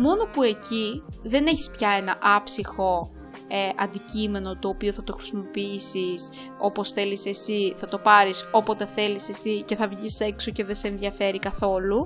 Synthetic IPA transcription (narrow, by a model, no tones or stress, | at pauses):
mo̞no̞pue̞ciðe̞ne̞çi̥spçɐe̞nɐʔɐpsixo̞ | eʔɐnd̪icime̞no̞t̪oːpioθɐt̪o̞xɾi̥simo̞piisis | o̞po̞sθe̞lise̞siθɐt̪o̞pɐɾiso̞po̞t̪e̞θe̞lise̞sice̞θɐvʝise̞ksoce̞ðeseːnðiɐfe̞ɾikɐθo̞lu